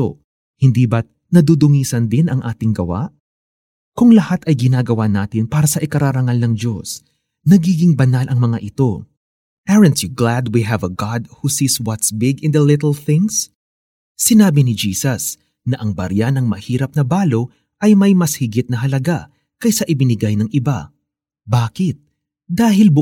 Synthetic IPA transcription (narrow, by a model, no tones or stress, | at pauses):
o̰ | hɪnd̪iːbɐt̪̚ | nɐd̪uːd̪ʊŋiːsɐnd̪ɪnɐŋʔaːt̪ɪŋɡɐ̰wa̰ʔ | kʊŋlɐhat̪ɐjɡɪnaːɡɐwanaːt̪ɪnpaːɾɐsɐʔɪkɐɾaːɾɐŋalnɐŋd͡ʒo̞s | nɐɡiːɡɪŋbɐnalʔɐŋmɐŋaʔɪt̪o̞ | ʔɛɹɐnt̪juɡlad̪wiɦɛvɐɡɑd̪̚husiːswɐt̪sbɪɡɪ̃nd̪ɐlɪt̪lˠθɪ̃ŋsː | ɪnaːbɪnɪd͡ʒiːsɐs | nɐʔɐŋbɐ̰ɾjanɐŋmɐhiːɾɐp̚nɐbaːlo̞ | ʔɐjmɐjmɐshɪɡɪt̪̚nɐɦɐlɐɡa | kɐjsɐʔɪbɪnɪɡajnɐŋʔɪba̰ | baːkɪt̪̚ | d̪aːɦɪlbʊ